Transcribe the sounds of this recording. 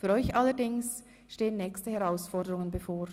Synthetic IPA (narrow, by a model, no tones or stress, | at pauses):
fyːʁɾɔʏçʔalədɪŋs | ʃteːənːɛːkstəhɛʁaʊsfɔʁdəʁʊŋənbəfoːɾ